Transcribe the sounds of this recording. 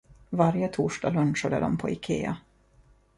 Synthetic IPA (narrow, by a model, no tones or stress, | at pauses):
vaɾjət̪ʰuːʂɖaːlɵnʂad̪ə̰d̪ɔmpʰɔɪkʰḛːa̰